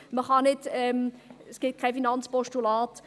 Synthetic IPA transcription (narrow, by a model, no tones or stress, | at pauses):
məχɑnɪtɛmsɡ̥ɪt̚kʰaɪfinɑnt͡spɔʃtulɑːt